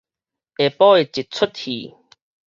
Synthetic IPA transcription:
e˨pɔː˦e˨t͡ɕi˨t̚t͡sʰʊ˦t̪̚hḭ˨˩

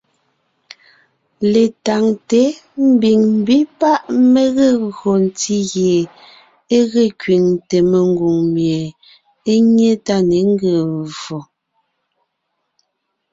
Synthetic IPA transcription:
le˨ta˨ŋte˨˦m̩˦bi˨ŋm̩˦bi˦pa˦ʔme˦ɣe˦˨ɣɰo˨n̩˨ti˦ɣje˨ | e˦ɣe˦˨kɥi˨ŋte˨me˨ŋ˦ɡu˨ŋmje˨ | e˦ɲe˦ta˦˨ne˨˦ŋ˦ɡə˨vɔ˨

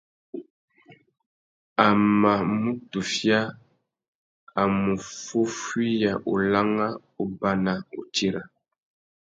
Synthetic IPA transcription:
a˨ma˨mu˦tu˨fja˦ | a˨mu˨fu˦fwi˦ja˨ʔu˨la˦ŋa˦ | u˨ba˦na˨ṵ˨ti˦ɾa˨

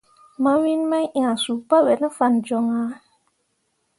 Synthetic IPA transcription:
ma˦wi˦nma˦jʔĩ˨a˨su˨pa˦wɛ˨nə˦fa˨nd͡ʒɔ˨ŋa˨˦

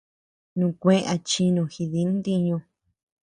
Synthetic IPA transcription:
nũ˧˨kʷẽ˦˧ʔa˧t͡ʃi˧nõ˧xi˧ði˨˧˦nd̪i˧ɲõ˧

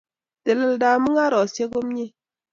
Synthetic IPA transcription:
te˨lə˦˨lda˨mɨ˦ŋa˦ɾɔ˨sje˦ɡo˦mɲe˦

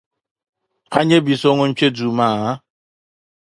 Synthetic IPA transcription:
a˦ɲe˦bi˨so˦ŋʷo˦m̩˦t͡ʃe˦du˨ma˨a˦

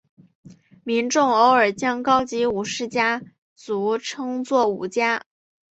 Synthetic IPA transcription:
mi˧˥nʈ͡ʂʊ˥˩ŋo˥ʊə˞˨˩t͡ɕjɑ˥ŋkɑ˥ʊt͡ɕi˧˥u˨˩ʂɻ̩˥˩t͡ɕja˥ | t͡su˧˥ʈ͡ʂʰɤ˥ŋt͡swɔ˥˩ṵ˨˩t͡ɕja˥

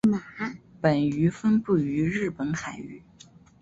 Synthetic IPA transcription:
ma˨˩˦pə˨˩ny˧˥fə˥npu˥˩y˧˥ɻɻ̩˥˩pə˧˥nxa˨˩ɪy˥˩˦

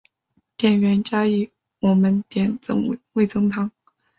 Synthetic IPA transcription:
t̪jɛ˨˩nɥɛ˧˥nt͡ɕja˥i˥˩ | wɔ˨˩mə˦nt̪jɛ˧˥nt͡sɤ̰˥ŋ˨˩we˥˩ɪt͡sɤ˥ŋt̪ʰɑ˧˥ŋ

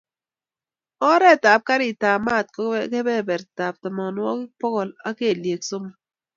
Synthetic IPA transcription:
ɔ˦ɾɛ˦˨ta˨p̚ka˦ɾi˨ta˨ma˦˨t̚kkɛ˦bɛ˦˨bɛ˨ɾta˨p̚tɔ˨mɔ˨n˦wɔ˦kɪ˦pɔ˦kɔ˨la˦ke˦˨lje˨kso˦ma˦

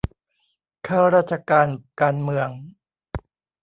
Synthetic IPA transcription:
kʰaː˥˩wɾaː˥˩t̪̚t͡ɕʰa˧kaː˧nkaː˧nmɯ˧əŋ

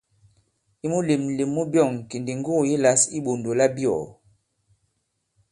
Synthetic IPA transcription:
i˦mu˦le˨m˨le˨mːu˦bjɔ˦˨ŋ˨ki˨ndi˨ŋɡo˦˨ji˦la˨˦si˦ɓo˨ndo˨la˦bjɔ̰˨

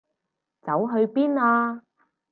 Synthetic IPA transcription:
t͡sɐ˨˥wɦɵ˧ɥpiː˥naː˧

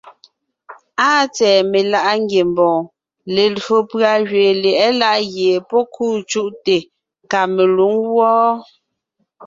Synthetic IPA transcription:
aː˦t͡sɛː˨me˨la˦ʔa˦ŋɡje˨mbɔ̃ː˨ | le˨lɰo˨pɰa˨ʒɥeː˨lɛ˨ʔɛ˦la˦ʔɣje˨pɔ˦kʰuː˦˨t͡ʃu˦ʔte˨ | ŋka˨me˨lu˨˦ŋwɔː˦

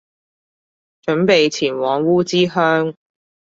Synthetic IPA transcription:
t͡ʃɵ˨˥npe˨jt͡sʰiː˨˩nwɔː˨˥ŋwuː˥t͡siː˥ɦœː˥ŋ

